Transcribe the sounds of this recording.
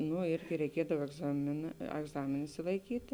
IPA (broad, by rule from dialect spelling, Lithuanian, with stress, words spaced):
ˈnʊ ˈɪrʲɡʲɪ rʲɛɪˈkʲiɛdɐw ɛɡˈzɑːmʲeːˌnɑː ɐɡˈzɑːmʲeːn ɪʃʲsʲɪlˠɐɪˈkʲiːtʲɪ